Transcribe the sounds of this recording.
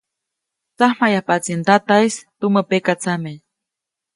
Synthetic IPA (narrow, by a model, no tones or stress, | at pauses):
t͡sahmajahpat͡sint̪at̪ajst̪uməpekat͡samej